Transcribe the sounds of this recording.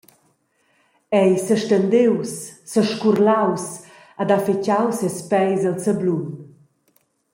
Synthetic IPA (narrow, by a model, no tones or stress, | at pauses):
ɛjsəʃtənd̪ewsːəʃkurlaws | ad̪afit͡ɕawsɛspɛjzəlsəblun